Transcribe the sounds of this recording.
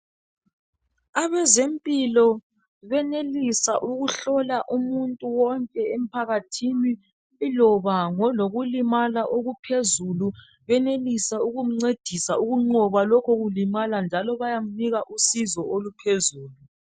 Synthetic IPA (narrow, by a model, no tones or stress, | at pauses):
aβɛzempʼilɔ | βɛnelisaʔuɣuɬɔlaʔumuntʼuwɔŋkʼɛem̩pʰaɣatʰini | lɔβaŋɔloɣulimalaʔoɣupʰezulu | βɛnelisauɣum̩ŋ͡ǀed̥ʱisauɣuŋ͡ǃɔβalɔkʰoɣulimaland͡ʒʱalɔβajam̩niɣaʔusizɔolupʰezuːlu